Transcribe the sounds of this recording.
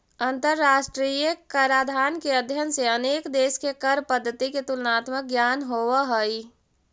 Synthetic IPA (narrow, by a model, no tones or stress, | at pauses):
ə̃nt̪əɾːaːsʈɾiːjəkəɾaːd̪ʱaːnkeəd̪ʱjənseəneːkd̪eːskekəɾpəd̪ʱːət̪iket̪ulnaːt̪mək̚ɡjaːnɦowəɦəi